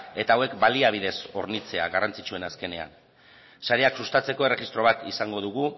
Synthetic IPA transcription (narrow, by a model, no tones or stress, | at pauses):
e̞t̪aːwe̞kbaliaβ̞ið̞e̞so̞ɾnit͡se̞a̰ɣarant͡sit͡ʃue̞naske̞ne̞a̰n | saɾe̞aksust̪at͡se̞ko̞e̞re̞ɣist̪ɾo̞β̞at̪isaŋɡo̞ð̞uɣ̞u